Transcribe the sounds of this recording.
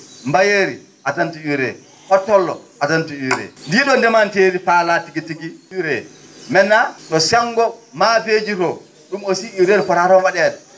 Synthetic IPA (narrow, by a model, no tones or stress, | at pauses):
mbajeɾi | ʔatantuiwɾɛ̰ | hɔtːɔlːɔ̰ | atantuiɾɛ̰ndiɗɔndɛmanteːɾifalatiɡitiɡiiɾɛmɛnːaɗɔsaŋɡɔmafed͡ʒiɾɔ | ɗumosiiɾeɾfɔɾaɾɔwaɗɛɗɛ